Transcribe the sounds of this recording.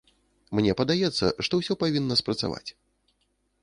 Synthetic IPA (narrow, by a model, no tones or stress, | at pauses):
mnʲɛpɐd̪ajɛt̪sːɐ̰ʂt̪ɔwsʲɔpavʲinːɐspɾɐt̪sa̰va̰t͡sʲ